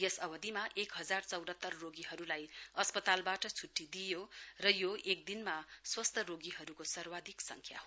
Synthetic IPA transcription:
jesʌbʌd̪imaʔekɦʌd͡zart͡sʌwd̪ʱʌt̪ːʌrːoɡiɦʌɾulajʌspʌt̪albaʈʌt͡sʰuʈːid̪ijorʌjoʔek̚d̪inmaswʌst̪ʰʌɾoɡiɦʌɾukosʌrwad̪ʱiksʌ̰ŋkʰja̰ɦo

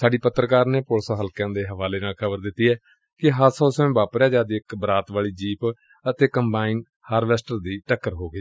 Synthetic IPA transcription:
saːɖiːpət̪ːɾəkaːɾneːpolsaːɦəlkãːd̪eːɦəʋaːleːnaːlkʰəbəɾd̪ɪt̪ːiːɦɛː | kɪɦəɾsɔːsəmẽːbaːpɾaːd͡ʒaːd̪iːɪkbəɾaːt̪ʋaːɭiːd͡ʒiːp | ət̪eːkəmbaːiːn | haːɾʋɛːsʈəɾd̪iːʈəkːəɾɦoːɡəiː

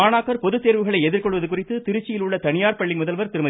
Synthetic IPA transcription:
aːnaːkːɐɾpɔðɯt̪ːeːɾʋɯɣɐɭɐɪɛðɪɾkɔɭʋɐðɯkʊrɪt̪ːɯt̪ɪɾɯt͡ʃːɪjɪlʊɭːɐt̪ɐnɪjaːɾpɐɭːimʊðɐlʋɐɾt̪ɪɾɯmɐð

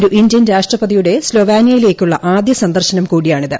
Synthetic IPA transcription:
ɾuʔind̪jɐnɾaːʂʈrɐpɐðijuɽe̞slo̞ːʋaːnjɐjile̞ːkʲːuɭːɐʔaːd̪jɐsɐnd̪ɐrɕɐnɐmkuːɽijaːɳiðɨ

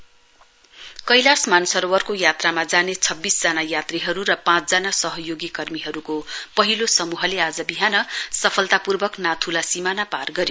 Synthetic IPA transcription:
kʌjlasmansʌɾowʌrkojat̪ramad͡zanet͡sʰʌbːisd͡zanajat̪riɦʌɾuɾʌpãt͡sd͡zanasʌɦʌjoɡikʌrmiɦʌɾukopʌɦilosʌmuɦʌlead͡zʌbiɦanʌsʌpʰʌlt̪apurbʌknat̪ʰulasimanaparɡʌɾi

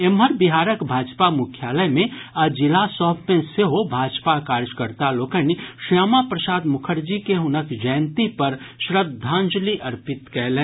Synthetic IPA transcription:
emɦəɾbiɦaːɾəkbʱaːd͡ʒpamʊkʰjaːləmẽad͡ʒɪlasɔːbmẽseɦobʱaːd͡ʒpakaːɾjəkəɾt̪aloːkəniʃaːmapɾəsaːd̪mʊkʰəɾd͡ʒikeɦʊnəkd͡ʒəjnt̪ipəɾʃɾəbd̪ʱːãːnd͡ʒliʔɐɾpɪt̪kɛɦlẽ

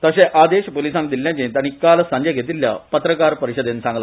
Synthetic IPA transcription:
t̪əɕẽʔad̪eɕpolisãnd̪iljãt͡ɕet̪aɽ̃ikalsə̃ɲd͡ʑeɡʱet̪ilːja̰pət̪ɾəkaɾpəɾiɕəd̪ensãŋɡla

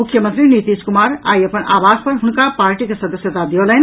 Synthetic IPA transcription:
ukʰjəmə̃nt̪ɾinit̪iskumaɾa̰iəpənaːbaspəɾɦunkapaɾʈikesəd̪əsjət̪ad̪ioləɦn

